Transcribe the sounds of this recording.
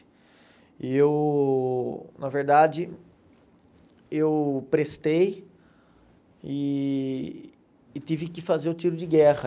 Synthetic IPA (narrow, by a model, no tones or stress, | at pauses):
ɪ | iew | nɐveɾd̪ad͡ʒɪ | ewpɾest̪ej | ɪ | t̪ivɪkɪfazeɾʊt͡ʃiɾʊd͡ʒɪɡɛhɐ